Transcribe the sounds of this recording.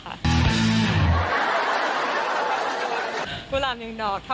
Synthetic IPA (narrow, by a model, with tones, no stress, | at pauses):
a̰˧˥ | kʰuː˧˩laː˧˩mja˨˧˩ŋdɔː˨˩k̚t̪ʰa˥